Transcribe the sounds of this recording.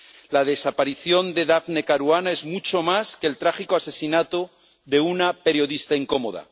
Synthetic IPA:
lað̞e̞sapaɾiθjo̞nd̪e̞ðafne̞kaɾwanae̞zmut͡ʃo̞maskelt̪ɾaxikoase̞sinat̪o | ðe̞unape̞ɾjo̞ðist̪aiŋko̞mo̞ð̞a̰

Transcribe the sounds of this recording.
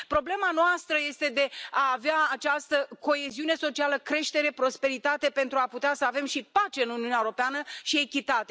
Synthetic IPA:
pɾo̞ble̞manoast̪ɾəje̞st̪e̞d̪e̞aːveaat͡ʃast̪əko̞e̞ziune̞so̞t͡ʃialəkɾe̞ʃt̪e̞ɾe̞pɾo̞spe̞ɾit̪at̪e̞pe̞nt̪ɾuaput̪easəave̞mʃipat͡ʃe̞ɨnuniuneaeoɾopeanəʃie̞kʲit̪at̪e̞

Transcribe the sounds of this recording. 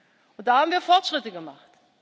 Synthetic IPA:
ʊnd̥aːhaːbm̩viːɐfɔɐtʃʁ̥ɪtəɡəma̰χt

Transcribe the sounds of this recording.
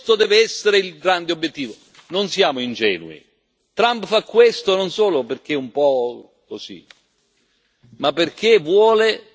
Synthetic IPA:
t̪od̪ɛːveɛsːeɾeilɡɾand̪eobjet̪ːiːvo | nonsjaːmoind͡ʒɛ̰ːnṵḭ | t̪ɾampfakːwest̪ononsoːloperk̟eumpɔ | kosḭ | mapːerk̟evwɔːle

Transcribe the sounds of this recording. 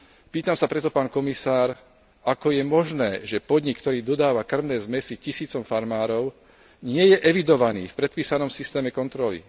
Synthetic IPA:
piːt̪amsapɾɛt̪ɔpaːnkɔmisaːɾ | akɔjɛmɔʒnɛːʒɛpɔd̪ɲikːt̪ɔɾiːd̪ɔd̪aːʋakr̩mnɛːzmɛsicisiːt͡sɔmfaɾmaːɾɔʊ | ɲɪɛjɛʔɛʋid̪ɔʋanḭːfpɾɛt̪̚piːsanɔmsist̪ɛːmɛkɔnt̪ɾɔlḭ

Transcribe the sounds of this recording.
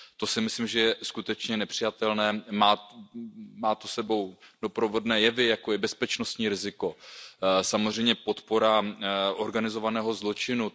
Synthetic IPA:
t̪o̞sɪmɪslɪmʒɛjɛskut̪ɛt͡ʃɲɛnɛpr̝̥ɪjat̪ɛlnɛːmaː | maːt̪osɛbo̞wdo̞pɾo̞vo̞dnɛːjɛvɪjakojɛbɛspɛt͡ʃno̞st̪ɲiːɾɪzɪko̞ | samozr̝ɛjmɲɛpo̞t̪po̞ɾaʔo̞ɾɡanɪzo̞vanɛːɦo̞zlo̞t͡ʃɪnu

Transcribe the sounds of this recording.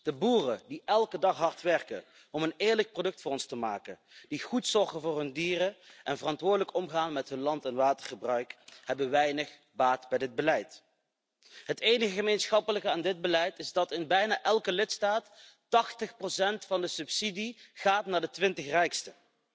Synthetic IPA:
d̥əbuːrədiʔɛlˠkədɑχɦɑɹtʋɛɹkə̰ | ɔmənɪːɹlək̚prodɵk̚tfʊːrɔnstəma̰ːkə̰nd̥iχutsɔɹɣənvʊːɹɦɵndiːrəʔɛnvərɑntʋʊːɹdələkɔmχaːnmɛtɦɵnlɑntɛnʋaːtərχəbrœɥkhɛbənʋɛjnəχ | baːtbɛjdɪd̚bəlɛjt | ɦəteːjnəɣəχəmejnsxɑpələkəaːndɪd̚bəlɛjtɪzdɑtɪnbɛjnaːʔɛlˠkəlɪtstaːt | tɑχtəχprosɛntfɑndəsɵpsidiχaːtnaːɹdətʋɪntəχrɛjkstə

